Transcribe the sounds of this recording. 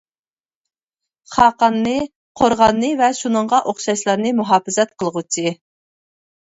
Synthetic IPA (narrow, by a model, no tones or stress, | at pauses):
χɑːqɑnːɨ | qʰoɾʁɑnːɨvɛʃunɨɴʁɑʔoχʃɑʃlˠɑɾnɨmuɦɑːfɪzɛt̪̚qʰəlˠəʁut͡ʃʰi